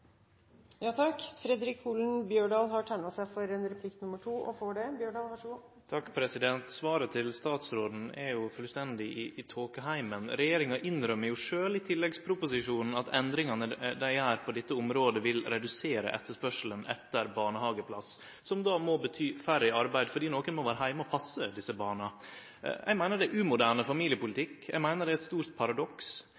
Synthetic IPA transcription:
jɑːt̪ʰɑkfɾɛd̪ɾɪkʰuːln̩bjøːɖɑːlɦɑʈʰæɪnɑsæɪfɔɾɛnɾɛpʰlɪk̪nʊmːəʈʰuːʔɔ̰foːɖɛbjøːɖɑːlʋɑʂɡu | t̪ʰɑkːpʰɾɛsɪd̪ɛnt̪sʋɑːɾət̪ʰɪlst̪ɑːt̪sɾoːd̪n̩ɛɾjʊfœlst̪ɛnd̪ɪʔɪɪt̪ʰoːkəɦæɪmənɾɛjeːɾɪŋɑʔɪnɾœmːəɾjʊʂøːlɪt̪ʰɪlːɛɡspʰɾʊpʊsɪʂuːnn̩ɑt̪ʰɛnd̪ɾɪŋɑnəd̪æɪæːɾpʰɔd̪ɛt̪ːəʊmɾoːd̪əʋɪlɾɛd̪ʉseːɾə̰ʔɛ̰t̪ːəʂpœʂl̩ənɛ̰t̪ːəɾbɑːɳəhɑːɡəpʰlɑs | sɔmd̪ɑmɔbət̪ʰyːfæɾɪɑɾbæɪd̪fɔɖiːnoːkənmɔʋæːɾəɦæɪməɔpʰɑsːəd̪ɪsːəbɑːɳɑ | jʔɛ̰mæɪnəɖɛʔʉːmʊd̪æːɳəfɑmiːlɪəpʊlɪt̪ʰɪkːjæ̰ɪmæɪnəɖɛɛt̪st̪uːɾt̪̚pʰɑɾɑd̪ɔks

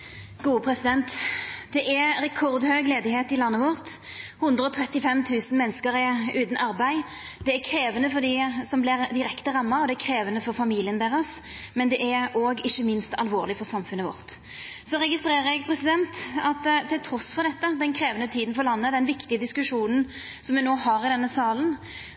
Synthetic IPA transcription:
ɡ̥uːəpʰʁɛsɪd̪ɛnt̪d̪ɛʔæɾɛkʰɔʁd̪høːɡleːd̪ɪheːt̪ɪlɑnːəʋɔʁt̪ | hʉnd̪ʁəɔt̪ʰʁɛt̪ːɪfɛmt̪ʰʉːsn̩mɛnːəskəɾɛʉːt̪n̩ʔɑɾbæɪ | d̪̥ɛækʰɾeːʋənəfɔd̪ɪsɔmblɪʁd̪ɪɾɛkt̪əʁɑmːɑɔd̪ɛækʰɾeːʋənəfɔʁfɑmiːlɪənd̪eːʁəs | mɛnd̪ɛʔæɾoːɡɪçːəmɪnst̪ʰɑlʋoːʁlɪfɔʁsɑmfʉnːəʋɔ̰ʁt̪ | sɔʁɛɡɪst̪ɾeːʁəɾɛɡpʰɾɛsɪd̪ɛnt̪ɑt̪t̪ʰːɪlt̪ʰɾɔsfɔʁd̪ɛt̪ːəd̪ɛnkʰɾeːʋənət̪ʰiːd̪n̩fɔlɑnːəd̪ɛnʋɪkt̪ɪəd̪ɪskʉʂuːnən̩ | sɔmʋɪnoːhɑːɾɪd̪ɛnːəsɑːlən

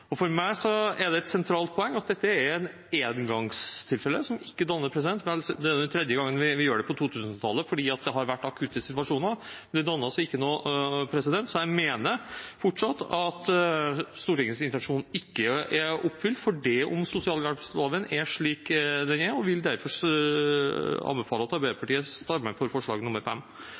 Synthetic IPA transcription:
ɔfɔɾmæɪsɔɛɖɛɛt̪sɛnt̪ʰɾɑːlt̪̚pʰɔɛŋːɑt̪̚d̪ɛt̪ːəæɾɛn | eːd̪ɡɑŋst̪ʰɪlfɛlːəsɔmɪkːəd̪ɑnːəɾpʰɾɛs̬ɪd̪ɛnt̪ʋɛld̪ɛæɛnt̪ʰɾɛd̪jəɡɑŋːənʋɪʋɪjøːɖɛpɔt̪ʰuːt̪ʰʉːsənt̪ʰɑlːəfɔɖiːɑt̪̚d̪ɛɦɑɾʋæʈːɑkʰʉːt̪ːəsɪt̪ʋɑʂuːnəmɛnd̪ɛd̪ɑnːəɾsɔɪkːənoːpʰɾɛsɪd̪ɛnt̪sɔjæɪmeːnəɾfɔʈʂɑt̪ːɑt̪ | st̪uːɾɪŋəsɪnt̪ɛnʂuːnn̩ɪkːəæɾɔpːfʏlt̪fɔɖɛɔ̰msʊsɪɑːlɑɾslɑːʋənæʂɭiːkd̪ɛnæɾɔʋɪld̪æɾfɔ | ɑ̰nbɛfɑːləɑt̪ɑɾbɛpʰɑʈiːəst̪ɑɾmɛfɔɾfɔʂɭɑ̰ːɡənʊmːəɾfɛmː

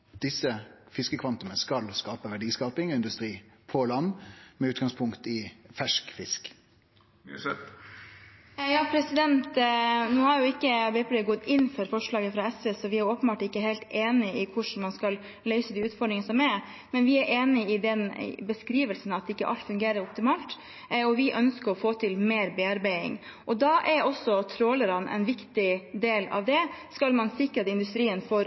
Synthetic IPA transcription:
d̪ɪsːəfɪskəkʰʋɑnt̪ʊməskɑlskɑːpəʋæɖiːskɑːpɪŋɪnd̪ʉst̪ɾiːpʰɔlɑnːmɛʉːt̪ɡɑŋspʰʊŋkt̪ɪfæʂkfɪsk | jɑːpʰɾɛsɪd̪ɛnt̪nuːhɑɾjʊɪkːəɑbɛplɛɡɔt̪ːɪnːfɔɾfɔʂɭɑːɡəfɾɑɛsʋɛːsɔʋɪæɾjʊoːpənbɑːʈɪkːəɦeɪlt̪eːnɪɪkʰʊʂɳ̩mɑnskɑl | lœʏsəd̪ɪʉːt̪fɔɖɾɪŋnsɔmɛɾ | mɛnʋɪæɾʔeːnɪɪd̪ɛnbəskɾiːʋəlsn̩ɑt̪ɪkːəʔɑ̰lt̪fʉŋɡeːɾəɾɔp̚t̪ɪmɑːlt̪ | ɔʋɪʔœnskəɾɔfoːt̪ʰɪlmeːɾbeːɑɾbæɪɪ̰ŋ | ʔɔd̪ɑʔɛɾɔsɔt̪ʰɾoːləɾɑnʔɛ̰ɪnʋɪkt̪ɪd̪eːlɑ̰ʋd̪ɛskɑlmɑnsɪkːɾɑt̪ɪnd̪ʉst̪ɾiːənfɔɾ

